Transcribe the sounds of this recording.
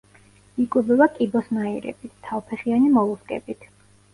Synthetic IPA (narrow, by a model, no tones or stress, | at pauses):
ikʼubɛbakʼibɔsnaiɾɛ̰bit̪t̪ʰːavpʰɛχianimɔlˠuskʼɛ̰bit̪ʰ